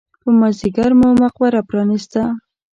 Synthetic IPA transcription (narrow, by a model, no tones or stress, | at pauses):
pəmaziɡaɾmʊmaqwaɾapɾɑnist̪a